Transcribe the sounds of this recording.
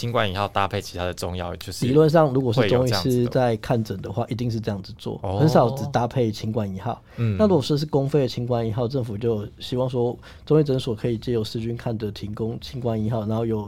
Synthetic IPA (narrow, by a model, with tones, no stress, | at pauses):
t͡ɕʰi˧˥ŋkwa˥˩ni˧˥xɑ˥˨ʊt̪a˦pʰe˥˩ɪt͡ɕʰi̥˧˥t̪ʰa˥d̪ə˨ʈ͡ʂʊ˧ŋjɑ̰˥˨˩ʊt͡ɕjo˥˧ʊʂi˥˨˦lwə˥˧nʂ̬ɑ˥˩ŋɻu˧˥kwɔ˨˩ʂ̩˥˩˧t͡sʊ˥ŋi˥˧sɹ̩˨˦t͡sa˥˧ɪkʰa˥˩nʈ͡ʂə˨˩nd̪ə˦xwa̰˥˩ʔi˧˥t̪i˥˧ŋʂɻ̩˥˧ʈ͡ʂɤ˧jɑ˥˩ŋd͡z̩˩t͡swɔ̰˥˨˩xə˧˦nʂɑ˨˩ʊt͡s̩˨˩t̪a˥pʰe˥˩ɪt͡ɕʰi˧˥ŋkwa˥˩ni˧˥xɑ˥˨˩ʊa˥˩ɻu˥kwʂɔ˥˧ʂ̬ɻ̩˥˩kʊ˥ŋfe˥˩ɪə˩t͡ɕʰi˧˥ŋkwa˥˩ni˧˥xɑ˥˧ʊʈ͡ʂə˥˩ŋfu˨˩t͡ɕjo˥˩ʊɕi˧˥wɑ˥˨˩ŋs̬wɔ˥ | t͡so˥ŋi˥˩ʈ͡ʂə˧˥nswɔ˨˩kʰɤ˧˥i˨˩t͡ɕjɛ˥jo˨˩ʊʂɹ̩˥t͡ɕy˥nkʰa˥˩nd̪ə˩t̪ʰi˧˥ŋkʊ˦ŋt͡ɕʰi˧˥ŋkwa˥˩ni˧˥xɑ˥˩ʊna˧˥xo˥˧jo˨˩ʊ